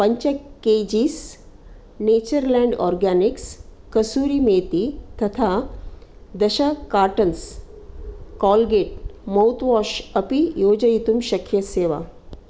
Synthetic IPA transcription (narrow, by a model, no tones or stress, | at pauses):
pəɲt͡ɕəkːed͡ʑiːs | net͡ɕəɾlɛ̃ɳɖɔ̰ɾɡaniks | kəsuːɾimet̪it̪ɐt̪ʰa | d̪əɕəkaɾʈəns | kɔlɡeʈ̚məwt̪ʋɔɕəpijod͡ʑəjit̪umɕɐkʰjəseʋa̰